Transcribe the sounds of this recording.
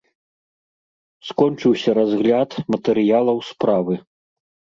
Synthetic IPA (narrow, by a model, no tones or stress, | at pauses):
skɔnt͡ʂɨwsʲɐɾazɣlʲat̪mɐt̪ɛɾɨjalˠɐwspɾavɨ